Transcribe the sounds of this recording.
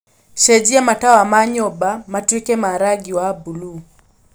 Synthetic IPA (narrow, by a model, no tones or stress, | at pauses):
ʃɛd͡ʒiamatawamaɲɔbamatwikɛmaɾaɡiwabulu